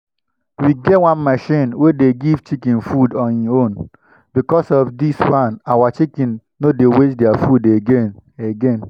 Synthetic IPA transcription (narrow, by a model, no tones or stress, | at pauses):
wiɡɛwãnmaʃĩnwedeɡivt͡ʃikĩnfudɔ̃nĩõn | bikɔsɔfdiswãnawat͡ʃikĩnː | odewet͡ʃdiafudeɡeneɡẽn